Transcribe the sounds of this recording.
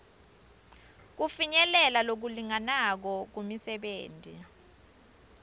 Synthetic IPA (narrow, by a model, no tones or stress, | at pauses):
k̬ufiɲɛlɛlalok̬uliŋanak̬ɔk̬umisɛɓeːntʼḭ